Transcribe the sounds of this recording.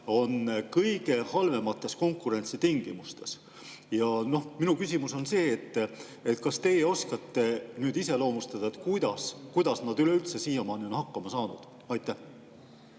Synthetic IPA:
o̞nkɤjɡ̥e̞hɑlve̞mɑt̪ːˑe̞sko̞ŋkːˑuɾe̞nʲt̪sit̪iŋɡ̥imust̪e̞s | jɑno̞hminukysʲimuso̞nse̞ːt̪ː | et̪kɑst̪e̞jeo̞skɑt̪ːe̞nyːd̪ise̞lo̞ːmust̪ɑd̪̥ɑet̪ˑkujd̪̥ɑskujd̪̥ɑsnɑd̪yleylt̪se̞siːjɑmɑːnionhɑkːɑmɑsɑːnṵd̪̥ | ɑjt̪ːˑæh

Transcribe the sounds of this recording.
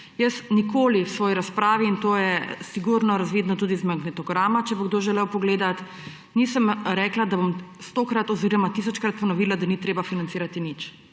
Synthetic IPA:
jəsnikoːliwsʋɔːjiɾaspɾaːʋiːnt̪oːjɛsiɡuɾnɔɾazʋiːd̪nɔt̪uːd̪izmaɡnɛt̪ɔɡɾaːmat͡ʃɛbɔɡd̪oːʒɛlɛwpɔɡleːd̪at̪ | niːsəmɾɛklad̪abomst̪oːkɾat̪ɔziɾɔmat̪iːs̬ɔt͡ʃkɾat̪̚pɔnɔʋiːlad̪anit̪ɾeːbafinant̪siːɾat̪init͡ʃ

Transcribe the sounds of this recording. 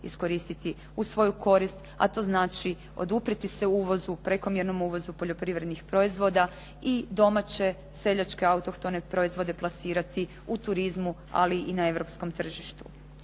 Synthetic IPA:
ḭsko̞ɾist̪it̪i | usʋo̞jukʰo̞ɾist̪ | a̰t̪o̞znaːt͡ʃi | o̞̰d̪upɾit̪ise̞uːʋo̞zupɾeko̞mjeɾno̞muːʋo̞zupoʎo̞pɾiʋɾe̞d̪nixpɾo̞izʋo̞d̪a | id̪o̞mat͡ɕe̞ | se̞ʎat͡ʃke̞aut̪okt̪one̞pɾo̞izʋo̞d̪e̞plˠasiːɾat̪i | ut̪uɾizmu | a̰liʔinae̞ʋɾo̞psko̞mt̪r̩ʒiʃt̪u

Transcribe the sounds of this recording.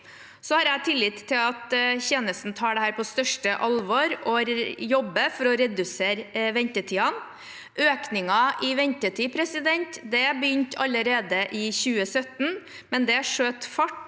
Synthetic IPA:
sɔhɑːɾæɪt̪ʰɪlːɪːt̪t̪ʰːɪlɑt̪çeːnəst̪n̩t̪ʰɑːɖɛhæːɾpʰɔst̪œʂʈəʔɑlʋɔɾʔɔɾjɔbːəfɔɾɔɾɛd̪ʉseːɾʋɛnt̪ət̪ʰiːɑn | ʔøːknɪŋɑʔɪʋɛnt̪ət̪ʰiːpʰɾɛsɪd̪ɛnt̪d̪ɛbəjʏnt̪ʰɑ̰lːəɾeːd̪əʔɪçʉːəsœt̪n̩ | mɛnd̪ɛæʂøːt̪fɑʈ

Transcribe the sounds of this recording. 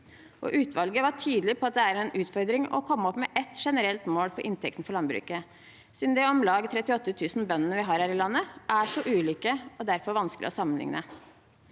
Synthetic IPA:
ʔɔ̰ʔʉːt̪ʰʋɑlɡəʋɑʈʰyːd̪lɪpʰɔɑt̪̚d̪ɛæɾɛnʉːt̪fɔɾd̪ɾɪŋɔ̰kʰɔmːəɔpmɛʔɛt̪ʂɛnəɾɛlt̪moːlfɔɾʔɪnt̪ʰɛkt̪n̩fɔɾɭɑnbɾʉ̰ːkə | siːd̪nd̪ɛɔmlɑːɡt̪ʰɾɛt̪ɪɔt̪ːət̪ʰʉːsn̩bœnːənəʋɪɦɑːɾhæːɾɪlɑnːəʔæʂɔʔʉːliːkəɔd̪æɾfɔɾʋɑnskəlɪ̰ɔsɑmənlɪ̰ŋnʔə

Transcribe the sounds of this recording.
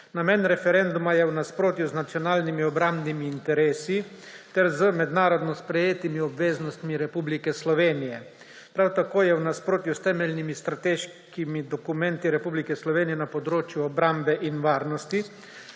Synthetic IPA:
namɛnɾɛfɛɾɛnd̪umajɛwnaspɾoːt̪juznat̪sijɔnaːlnimiɔbɾambnimiːnt̪ɛɾeːsit̪ɛɾzəmɛd̪naːɾɔd̪nɔspɾɛjeːt̪imiɔbʋeːznɔst̪miɾɛpublikɛslɔʋeːnijɛ | pɾawt̪akoːjɛwnaspɾoːt̪just̪ɛːmɛlʲnimist̪ɾat̪eːʃ | kimid̪ɔkumɛ̃nt̪iɾɛpublikɛslɔʋeːnijɛnapɔd̪ɾoːt͡ʃjuɔbɾambɛʔinʋaːɾnɔst̪i

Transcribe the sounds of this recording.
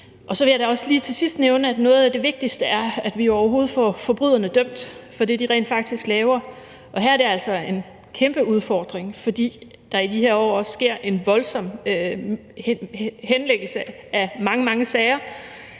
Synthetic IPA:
ʔɒ̽sɒ̽ʋe̝jɑ̈ɾ̥ɑɒ̽sliːt͡sʰe̝lsisd̥neʊnəæd̥nɔ̽ːð̞̩ˠæd̥e̝ʋe̝ɡ̥̚d̥isd̥əæɐæd̥ʋijo̝ɒʊɐɦo̝ːð̞̩ˠfɒ̰ːfɒ̽b̥ʁy̰ðˠɐnəd̥œm̰d̥fɒ̽d̥ḭːd̥iʁɛ̰ːnd̥fɑ̈ɡ̥̚d̥isɡ̥lɛːʊɐ | ʔɒ̽ɦæ̰ɐɾ̥e̝æl̰sɒ̽e̝n | kʰemb̥əuð̞ˠfɒːd̥ʁeŋfɒ̽d̥ḭː | d̥ɑ̈id̥ihe̝ɐɒ̰ːɒ̽ssɡ̥e̝ɐ̰ʔe̝nʋɒ̽lsɒ̽m̰ | henleɡ̥l̩səæmɑ̈ŋəmɑ̈ŋəsɛɪɐ

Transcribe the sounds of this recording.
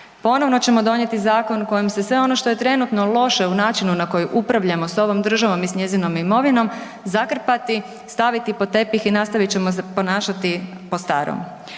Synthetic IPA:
po̞no̞ʋno̞t͡ɕe̞mo̞d̪o̞ɲe̞t̪izaːko̞nko̞jimse̞sʋe̞o̞no̞ʃt̪o̞je̞t̪ɾe̞nut̪no̞lˠo̞ʃe̞unaːt͡ʃinunako̞juʔupɾaʋʎamo̞so̞ʋo̞md̪r̩ʒaʋo̞misɲe̞zino̞mimo̞ʋino̞m | zakr̩pat̪i | st̪aʋit̪ipo̞t̪e̞pixinast̪aʋit̪̚t͡ɕe̞mo̞s̬epo̞naːʃat̪i | post̪a̰ːɾo̰m

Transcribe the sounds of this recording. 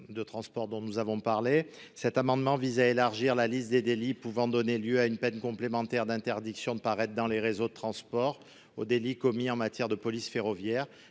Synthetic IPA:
d̪ət̪χɑ̃spɔʁd̪ɔ̃nuzavɔ̃paʁle | sɛt̪amɑ̃d̪mɑ̃vizaelaʁʒiʁlalist̪̚d̪ed̪elipuvɑ̃d̪ɔneljøaynpɛnkɔ̃plemɑ̃t̪ɛʁd̪ɛ̃t̪ɛʁd̪iksjɔ̃d̪əpaʁɛt̪̚d̪ɑ̃leʁezod̪ət̪χɑ̃spɔʁ | od̪elikɔmiɑ̃mat̪jɛʁd̪əpɔlisfeʁɔvjɛʁ

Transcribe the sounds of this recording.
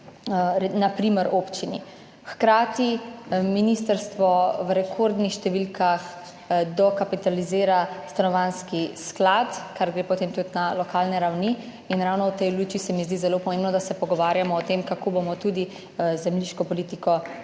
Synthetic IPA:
napɾiməɾoːpt͡ʃini | xkɾaːt̪iminiːst̪əɾst̪ʋɔʋɾɛkʰoɾd̪nixʃt̪ɛʋilkax | d̪ɔkapit̪aliziːɾast̪anɔʋanskisklat̪kaɾɡɾeːpɔt̪eːmt̪ut̪nalɔkaːlnɛɾawni | inɾawnɔwt̪ɛjluːt͡ʃisɛmizd̪izɛlopɔmẽːmbnɔd̪asɛpɔɡɔʋaːɾjamɔːt̪emkakoːbomɔt̪ud̪i | zɛmliʃkɔpɔliːt̪ikɔ

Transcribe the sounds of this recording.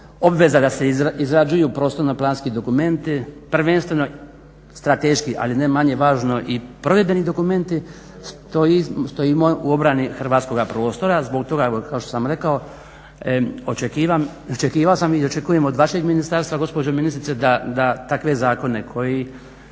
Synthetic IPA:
o̞bʋe̞zad̪ase̞iizɾad͡ʒujupɾo̞ːst̪o̞ɾnoplˠaːnskid̪o̞kume̞nt̪ipr̩ʋe̞nst̪ʋe̞no̞ | st̪ɾat̪eʃkiʔa̰line̞maɲe̞ʋaːʒno̞ʔipɾo̞ʋjebe̞nid̪o̞kume̞nt̪i | st̪oist̪o̞jimouo̞bɾanixrʋaːt̪sko̞ɡapɾo̞ːst̪o̞ɾazbo̞kt̪o̞ɡaokao̞ʃt̪o̥samɾe̞kao | ot͡ʃekiːʋam | ot͡ʃekiːʋaosamiot͡ʃe̞kuje̞mod̪ʋaʃe̞ɡminist̪aɾst̪ʋaɡo̞spod͡ʒominist̪ɾit̪ed̪ad̪at̪akʋe̞zaːko̞ne̞kʰo̞ji

